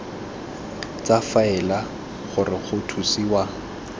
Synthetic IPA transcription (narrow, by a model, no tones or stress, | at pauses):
t͡safaɛla | χʊrɪχʊtʰusiːwa